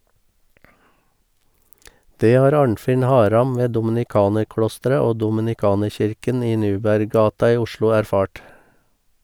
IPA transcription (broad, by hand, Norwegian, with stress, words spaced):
ˈdeː ˈhɑːɾ ˈɑːɳfɪn ˈhɑːɾɑm ˈʋeː dʊmɪnɪˈkɑːnəɾˌklɔstəɾə ˈoː dɔmɪnɪˈkɑːnəɹˌçɪɾkən ˈiː ˈnʉːbæɾˌɡɑːtɑ ˈiː ˈʊʃlʊ æɾˈfɑːʈ